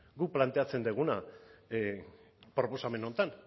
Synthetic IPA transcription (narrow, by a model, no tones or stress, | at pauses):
ɡuplant̪e̞at͡se̞nd̪eɣ̞una | pɾo̞po̞same̞no̞nt̪an